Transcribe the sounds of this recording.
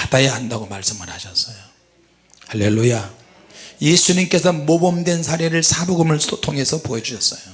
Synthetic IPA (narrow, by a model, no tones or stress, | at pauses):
adajaɦandaɡomaɭs͈ɯmɯnhaɕʰʌs͈ʌjo | halːe̞lːuja | je̞sʰuɲimk͈e̞sʰʌmobʌmdwensʰaɾeɾɯɭsʰaboɡmɯɭsotʰoŋɦe̞sʰʌpoed͡ʑuɕʰʌs͈ʌjo